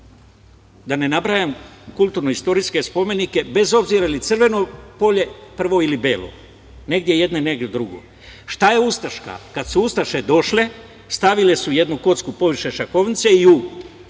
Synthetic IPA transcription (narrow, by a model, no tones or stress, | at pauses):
d̪ane̞nabɾajamkulˠt̪uɾnoist̪o̞ɾiske̞spo̞me̞nike̞be̞zo̞bziɾailit̪sr̩ʋe̞no̞po̞ʎe̞pr̩ʋo̞ilibeːlˠo̰ | ne̞ɡ̚d̪jeje̞d̪ne̞neɡed̪ɾuɡo̰ | ʃt̪aje̞ust̪aʃka̰kad̪suust̪aʃed̪o̞ʃle̞ | st̪aʋile̞suje̞d̪nuko̞t̪skupo̞ʋiʃeʃako̞ʋnit̪se̞iu